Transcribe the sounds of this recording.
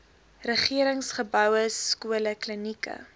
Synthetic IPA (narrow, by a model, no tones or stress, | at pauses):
rəχiəɾəŋsχəbœwəskuələklənikə̰